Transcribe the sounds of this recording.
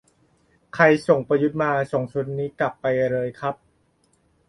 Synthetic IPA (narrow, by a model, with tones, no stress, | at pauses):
kʰa˧jso˨˩ŋpa˧ju˦˥t̪̚maː˧so˨˩˦ŋt͡ɕʰu˧˥nːiː˦˥kla˨˩pːa˧jɾɤː˧jkʰɾa˦˥p̚